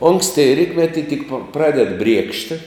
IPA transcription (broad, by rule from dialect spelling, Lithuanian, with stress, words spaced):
ˈoːŋksʲtʲɪ ˈrʲiːtʲmʲɛtʲɪ tʲɪk pɐ ˈprɑːdʲɛt ˈbʲrʲiɛkʃʲtʲɪ